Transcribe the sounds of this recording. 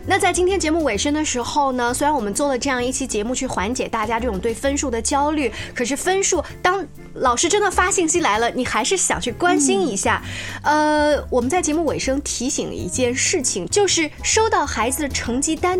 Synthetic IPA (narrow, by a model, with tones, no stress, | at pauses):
na˥˧t͡sa˥˩ɪt͡ɕi˥nt̪ʰjɛ˥nt͡ɕjɛ˧˥mu˥˩we˨˩ɪʂɤ˥ŋd̪ə˨ʂɻ̩˧˥xo˥˧˩ʊnə˩swe˥ɪɻa˧˥nwɔ˨˩mə˦nt͡swɔ˥˩lə˩ʈ͡ʂɤ˥˧jɑ˥˧ŋi˥˩t͡ɕʰi˥t͡ɕjɛ˧˥mu˥˧t͡ɕʰy˥˩xwa˧˥nt͡ɕjɛ˨˩t̪a˥˩t͡ɕja˥ʈ͡ʂɤ˥˩ʈ͡ʂʊ˨˩ŋt̪we˥˩ɪfə˥nʂu˥˩d̪ə˩t͡ɕjɑ˥ʊly˥˩kʰɤ˨˩ʂ̬ɻ̩˥˩fə˥nʂu˥˩t̪ɑ˥ŋ | lɑ˨˩ʊʂɻ̩˥ʈ͡ʂə˥nd̪ə˨fa˥ɕi˥˩ŋɕi˥la˧˥ɪlə˧ni˨˩xa˧˥ɪʂɻ̩˥˩ɕjɑ̰˨˩ŋt͡ɕʰy˥˩kwa˥nɕi˥ni˧˥ɕja̰˥˩ə˧wɔ˨˩mə˦nt͡sa˥˩ɪt͡ɕjɛ˧˥mu˥˩we˨˩ɪʂɤ˥ŋt̪ʰi˧˥ɕi˨˩ŋl̰ḭ˧˥˧t͡ɕjɛ˥˧nʂɻ̩˥˩t͡ɕʰi˨˩ŋt͡ɕjo˥˧ʊʂɻ̩˥˩ʂo˥ʊt̪ɑ˥˩ʊxa˧˥ɪd͡zɹ̩˧d̪ə˩ʈ͡ʂʰɤ˧˥ŋt͡ɕi˥t̪a˥n